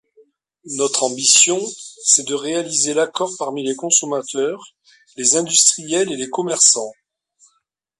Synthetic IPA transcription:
nɔt̪χɑ̃bisjɔ̃sɛd̪əʁealizelakɔʁpaʁmilekɔ̃sɔmat̪ʰœʁ | lezɛ̃d̪yst̪χijɛlelekɔmɛʁsɑ̃

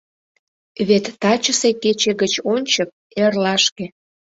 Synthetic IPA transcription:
βet̪ːɑt͡ɕəseket͡ɕeɣət͡ɕonʲt͡ɕək̚ | erlɑʃkĕ

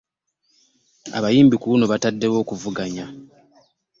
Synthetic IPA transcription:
a̰βajiːmbikunoβatadːe̞wo̞ːkuvuɡaɲa

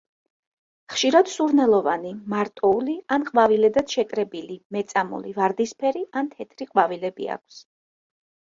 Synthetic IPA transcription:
χʃiɾad̪̥suɾnɛlˠɔvanimaɾt̪ʼɔulianqʼvavilɛd̪ad̪ʃɛkʼɾɛbilimɛt̪sʼamṵlivaɾd̪ispʰɛɾiant̪ʰɛt̪ʰɾiqʼvavilɛbḭa̰kʰs

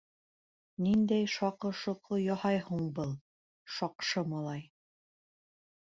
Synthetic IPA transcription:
nind̪æjʃɑqɤ̆ʃŏqʰɤjɑhɑjhuɴbɤlˠ | ʃɑqʃɤmɑlˠɑj

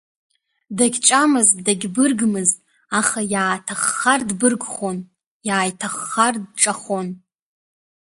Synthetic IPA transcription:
daɡʲt͡ʃʷʼamɨzdaɡʲbɨrɡmɨztʼ | aχajaːtʰaχːardbɨrɡχon | jaːjtʰaχːardʈ͡ʂʼaχon

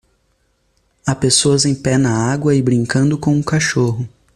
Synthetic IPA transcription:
apesoɐzẽj̃pɛnɐaɡwɐɪbɾĩŋkɐ̃nd̪ʊkõw̃ũkaʃoɦʊ

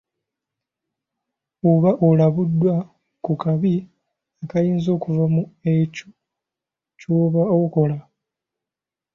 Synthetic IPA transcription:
oβaʔolaβudːwa | kukaβi | akajiːnzo̞ːkuvamuecu | coːβaoko̞la

